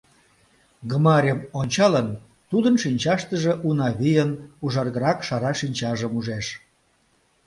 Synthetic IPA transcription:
ɡəmɑɾʲəmonʲt͡ɕɑlən | t̪ud̪ənʃinʲt͡ɕɑʃt̪əʒeʔunɑβijənuʒɑrɣəɾɑkʃɑɾɑʃinʲt͡ɕɑʒəmuʒeʃ

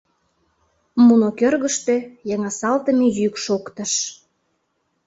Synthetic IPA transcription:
munokørɣəʃt̪ø̆jɑŋɑsɑlt̪əmejykʃokt̪əʃ

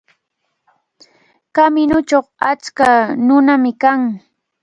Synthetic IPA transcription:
kamɪnʊt͡ʃoχat͡skanʊnamɪkaŋ

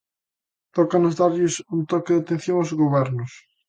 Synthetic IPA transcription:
t̪ɔkanʊzðaɾʎɪsunt̪ɔkɪðɪat̪ẽn̟θjoŋozɣoβɛɾnʊs

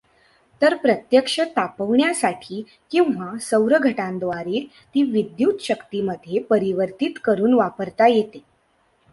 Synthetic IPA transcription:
t̪əɾpɾət̪jəkʂət̪apəʋɳjasaʈʰiː | kĩw̃ʋasəwɾəɡʱəʈãnd̪ʋaɾiːl | t̪iːʋid̪juːt̪ɕəkt̪iməd̪ʱːjepəɾiʋəɾt̪it̪kəɾuːnʋapəɾt̪ajet̪e

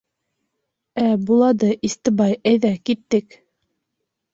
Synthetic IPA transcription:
æbulˠɑd̪ɤʔist̪ɤ̆bɑjæjðækit̪ːɘk

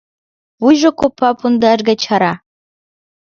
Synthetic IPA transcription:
βujʒŏkopʰːɑpund̪ɑʒɡat͡ɕʰɑɾɑ

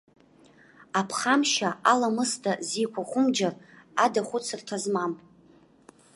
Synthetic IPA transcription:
apʰχamʃaalamɨstʰʼazikʷʰaχʷʊmd͡ʒaradaχʷʊt͡sʰɨrtʰazmam

